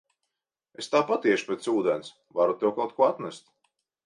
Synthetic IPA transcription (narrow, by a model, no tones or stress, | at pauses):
est̪aːpat̪iɛʃu̥pʲɛt̪suːd̪ɛns | vaɾut̪ɛwkawt̪kuɔat̪næst̪